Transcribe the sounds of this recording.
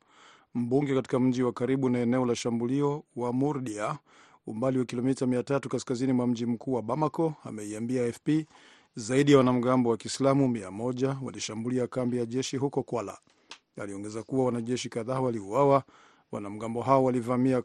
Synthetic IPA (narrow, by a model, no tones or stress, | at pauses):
m̩ɓuŋɡɛkati̥kam̩ʄiwakaɾiɓunaɛnɛɔlaʃambuliɔwamuɾɗia | umbaliwakilɔmitamiatatukaskazinimwam̩ʄim̩kuːwaɓamakɔamɛiambiaɛfpi | zaiɗijawanam̩ɡambɔwakislamumia̰mɔʄawa̰liʃambuliakambijaʄɛʃiɦukɔkwala̰ | aliɔŋɡɛzakuwawanaʄɛʃikaðaːwaliuwawa | wa̰nam̩ɡambɔɦaɔwalivamia